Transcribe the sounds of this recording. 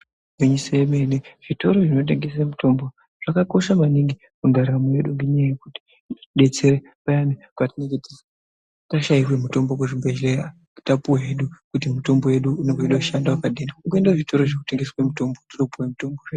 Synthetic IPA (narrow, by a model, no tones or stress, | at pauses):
ɡeɲisoeme̞neʐ̥ito̞ɾo̞ʐino̞t̬e̞ŋɡe̞semuto̞mbo̞ | ʐ̥akako̞ʃamaniŋɡi | kundʱarirameɗuŋɡeɲaajekuti̥ | ɗe̞t͡se̞ɾe | pajamikwatineketesa | taʃaikwemuto̞mbokoʐibʱeʒle | tapuwaɦeɗukut̬imuto̞mboje̞ɗuːneɡoiɗoʃandawakaɗinaukuendaʐito̞ɾoʐekute̞ŋɡeswemuto̞mbotiropuwemuto̞mboʐe